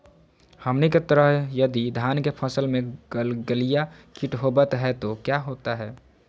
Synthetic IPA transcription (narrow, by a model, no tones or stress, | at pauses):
həmniket̪əɾəɦjəd̪id̪ʱaːnkepʰəsəlmẽɡəlijakiʈɦobət̪ɦɛt̪okjaɦoːt̪aɦɛː